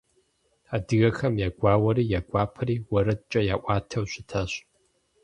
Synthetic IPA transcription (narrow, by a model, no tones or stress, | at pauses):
aːdɨɣɐxɐmjaːɡʷaːwɐɾiːjaɡʷaːpʰɐɾiːwɐɾɨt͡ʃʼɐjaːʔʷɑːtʰɐwɕʷɪtʰɐɕ